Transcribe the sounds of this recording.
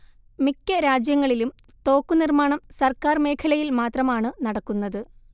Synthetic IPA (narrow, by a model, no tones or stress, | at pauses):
mikʲːɐɾaːd͡ʑjɐŋːɐɭilum | t̪o̞ːkːunirmaːɳɐmsɐrkaːrme̞ːkʰɐlɐjilmaːt̪rɐmaːɳɨnɐɽɐkːunːɐðɨ